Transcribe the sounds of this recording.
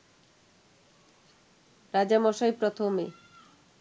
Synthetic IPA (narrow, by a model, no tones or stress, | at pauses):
ɾad͡ʑamɔʃaepɾot̪ʰomḛ